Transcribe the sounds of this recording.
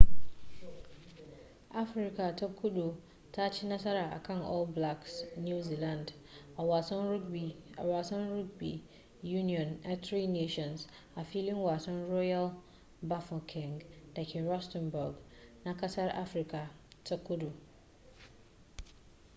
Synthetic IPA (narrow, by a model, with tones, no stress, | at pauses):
a˦fɾi˨kʰa˨tʰa˦kʰːu˦do˨ | tʰa˦tʰɪ˦nã˦sa˦ɾa˨a̰˨kʰã˦nɔ˦lbla˦ksnu˦zi˨lã˨nd | a˨wa˨sã˦nu˦bi˨a̰˨wa˨sã˦nɾu˦ɡ̚bḭ˨ | ju˦ni˨ɔ̃˨na˨tʰɾi˦ne˦ʃɔ̃˨ns | a˨fi˦lĩ˦nwa˨sã˦nɹɔ˦ja˦l | ba˦fɔ̃˨kʰɪ̃˨ŋɡd̥ɛ˨kʰɛ˨ɹɔ˦stɛ̃˨nbɔ˨ɡnã˨kʰa˦sa˦ɾʔa˦fɾi˨kʰa˨tʰa˦kʰːu˦do˨